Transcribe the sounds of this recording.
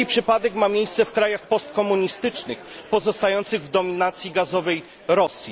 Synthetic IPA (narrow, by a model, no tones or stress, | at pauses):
ipʂɘpad̪ɛkmamʲjejst̪sɛfkɾajaxpɔst̪̚kɔmuɲist̪ɘt͡ʂnɘx | pɔzɔst̪ajɔnt̪sɘɣvd̪ɔmʲinat̪sʲjiɡazɔvɛj | ɾɔsʲji